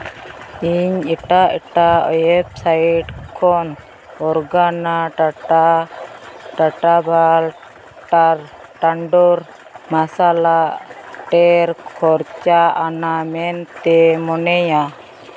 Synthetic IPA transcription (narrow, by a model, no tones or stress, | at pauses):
iɲɛʈaʔɛʈaɔjɛb̚saiʈkʰɔn | ɔɾɡanaʈaʈa | ʈaʈabʱal | aɾʈaɳɖɔɾ | masalaʔʈɛɾkʰɔɾt͡ʃaʔanamɛnt̪ɛmɔnɛja